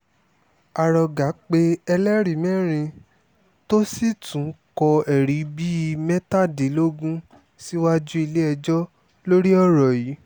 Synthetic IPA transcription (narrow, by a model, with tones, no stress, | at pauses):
a˨ɾɔ˧ɡa˨˦k͡pe˧ɛ˧lɛ˦ɾi˨mɛ̃˦ɾ̃ĩ˧ | to˦si˦˨tũ˨˦kɔ˧ɛ˨ɾi˨˦bi˦˧mɛ̃˦ta˦˨de˨˦lo˦ɡũ˦ | si˦wa˦d͡ʒu˦i˧le˦ɛ˧d͡ʒɔ˦ | lo˦ɾi˦ɔ˦˨ɾɔ˨ji˨˦